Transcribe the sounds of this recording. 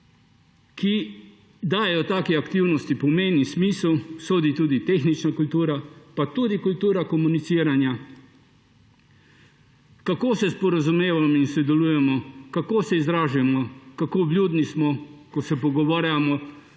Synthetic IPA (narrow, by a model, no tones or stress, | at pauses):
ki | d̪aːjɛjɔt̪aːkiakt̪iwnɔst̪ipɔmeːnismiːslsoːd̪it̪uːd̪it̪exnit͡ʃnakult̪uːɾapat̪uːd̪ikult̪uːɾakɔmunit̪siːɾanja | kakoːsɛspɔɾazumeːʋamɔinsɔd̪ɛluːjɛmɔkakoːsɛizɾaːʒujɛmɔkakoːblʲjuːd̪nismɔkɔsɛpɔɡɔʋaːɾjamɔ